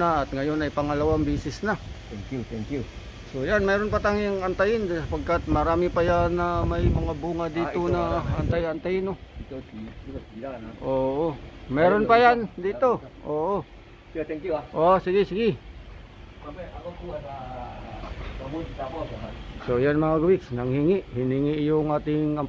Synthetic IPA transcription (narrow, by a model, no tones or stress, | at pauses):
naɐt̪ŋɐjonɐjpɐŋɐlawaŋbiːsɪsnat̪ɛŋkjut̪ɛŋkju | sojanmɛːɾonpat̪aŋjaŋɐnt̪ajɪnd̪sɐpaɡ̚kat̪̚mɐɾaːmɪpajanːamajmɐŋabuŋad̪iːonaʔɐnt̪ajɐnt̪ajɪno | ʔoːʔomɛɾonpajand̪it̪oʔoʔo | kʔosiɡɪsɪɡɪ | sojanmaŋaɡwɪksnaŋhiŋɪʔhiniŋiʔjʊŋat̪ɪŋam